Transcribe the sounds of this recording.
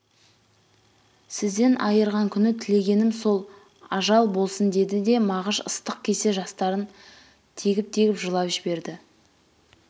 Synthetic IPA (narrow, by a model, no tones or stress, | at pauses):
sɪzd̪e̞nʔɑjəɾʁɑŋkʲʰʏnɪt̪ʰɪle̞ɡʲe̞nɪmso̞lˠ | ɑʒɑlˠbo̞lˠsənd̪e̞d̪ɪd̪e̞mɑʁəʃəst̪əq̚kʲʰe̞se̞ʒɑst̪ɑɾən | t̪ʰeɡʲɪp̚t̪ʰe̞ɡʲɪpʒəlˠɑvɪʒɪbe̞ɾd̪ɪ